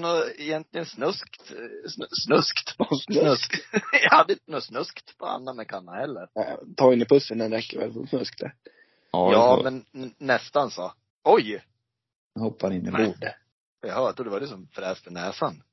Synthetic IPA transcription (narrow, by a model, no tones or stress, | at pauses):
nɔɪjɛnt̪lɪɡənsnɵskt̪snsnɵskt̪nɵsjɑhad̪ːəɪnt̪ənɔt̪snɵskt̪pʰɔa̰nːamɛkʰanːahɛlːəɾt̪ʰɑːɪnːɪpʰɵsːənɛnɾɛkːəɾvɛ̰lfɔ̰snɵskt̪ʰɛ | jɑːmɛnːɛst̪ansɔ | ɔj | hɔpːaɾɪnːəbuːɖ | ɔjahœːt̪ud̪ɛvaɾɪsɔmfɾɛːst̪ənɛːsan